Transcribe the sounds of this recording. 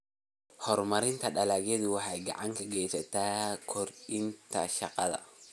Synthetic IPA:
hɔrmɐɾɪnt̪ʰɐɗɐlaɣɛd̪ʊwɑħaɡɑ̰ʕaŋkʰɐɡɛjsɐt̪aːkʰɔɾɪnt̪ʰɐ̰ʃɑqɐðɐ̰

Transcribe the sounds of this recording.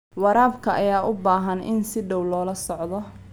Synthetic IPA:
wɑɾaːbkʰɐʔɐjaːʔʊbaːɦɐnʔɪ̰nsɪɖɔwlɔːlɐsɔʕd̪ɔ

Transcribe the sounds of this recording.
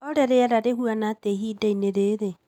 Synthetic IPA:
ɔɾɛɾeaɾaɾeɦuanateɦiːdaineɾeɾe

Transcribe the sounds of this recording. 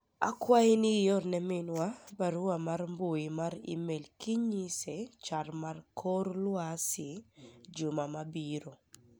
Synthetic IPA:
a̰kwaɪnɪjɔrnɛmɪnwabaɾʊamarmboimaɾḭmelkiɲiset͡ʃarmarkʰoɾlwasɪd͡ʒʊmamabiɾo

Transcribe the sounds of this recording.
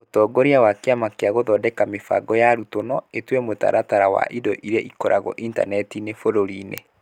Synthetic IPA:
otɔːɡoɾiawakeamakeaɣoðɔdɛkamefa̰ɡɔjaɾutonɔetwɛmota̰ɾʔataɾawa̰ʔidɔʔiɾeʔikɔɾaɣɔ̰ʔinta̰nɛtinefoɾoɾinḛ

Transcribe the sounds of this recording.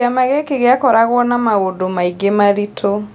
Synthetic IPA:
amaɣekeɣeakɔɾaɣwɔnamaɣodomaiɡemaɾitʰo

